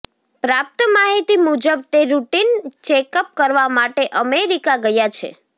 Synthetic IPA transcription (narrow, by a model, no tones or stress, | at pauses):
pɾap̚t̪əmaɦit̪imud͡ʒəb̚t̪eɾuʈint͡ʃekəp̚kəɾʋamaʈeʔəmeɾikaɡəjat͡ʃʰḛ